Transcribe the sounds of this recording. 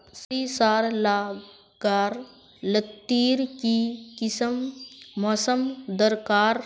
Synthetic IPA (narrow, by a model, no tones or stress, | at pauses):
siːsaːɾlaː | ɡaːɾ | lət̪ːiːɾkikisəmmɐsəmd̪əɾkaːɾ